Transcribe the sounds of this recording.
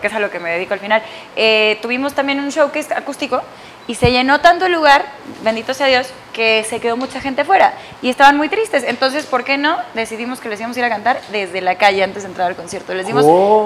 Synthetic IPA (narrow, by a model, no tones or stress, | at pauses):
keesaloke̞meðeðikoalfinal | et̪uβ̞imo̞st̪ambje̞nunʃo̞wkesakust̪iko̞ | ise̞ʝe̞no̞t̪ant̪oluɣaɾbe̞nd̪it̪oseaðjo̞s | ke̞se̞ke̞ðo̞mut͡ʃaxe̞nt̪e̞fwe̞ɾa | ie̞st̪aβanmujt̪ɾist̪e̞sent̪o̞ns̬e̞spo̞ɾke̞no̞ðe̞siðimo̞ske̞les̬iamo̞s̬iɾakant̪aɾðe̞zðe̞lakaʝe̞ant̪ezðent̪ɾaɾalko̞nsje̞ɾt̪ole̞zðimos